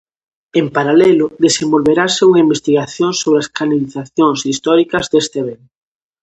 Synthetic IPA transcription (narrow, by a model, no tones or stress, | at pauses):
empaɾalɛlʊðesembolβeɾaseuŋaimbest̪iɣaθjoŋsoβɾeaskanaliθaθjoŋsist̪ɔɾikɐzd̪est̪eβeŋ